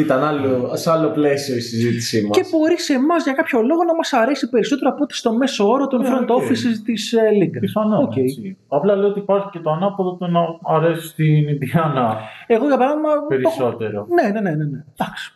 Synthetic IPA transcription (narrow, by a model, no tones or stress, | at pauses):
it̪ɐnɐloseɐloplesioisizit̪isimɐce̞bo̞ɾise̞mɐzʝɐkɐpço̞lo̞ɣo̞nɐmɐsɐɾe̞sipe̞ɾiso̞t̪e̞ɾoɐpot̪e̥st̪o̞me̞soo̞ɾot̪onfɾont̪oofisist̪islid̪ɐsɐnɐocejɐplɐleoot̪ipɐçi̥ce̞t̪oɐnɐpoðot̪unɐɐɾe̞si̥st̪inindðiɐnɐe̞ɣo̞ʝɐpɐɾɐðimɐpeɾioso̞t̪e̞ɾone̞ne̞ne̞ne̞ne̞d̪̥ɐksi̥